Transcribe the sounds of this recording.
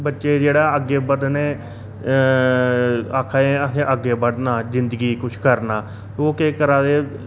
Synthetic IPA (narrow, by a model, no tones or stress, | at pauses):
bətːʃeːd͡ʒeːɽaːəɡːeːbəɖneː | aːkʰaeət̪ʰẽːʔəɡːeːbəɖnaːzɪnd̪əɡiːkʊt͡ʃʰkəɾnaː | oːkeːkəɾãːd̪eː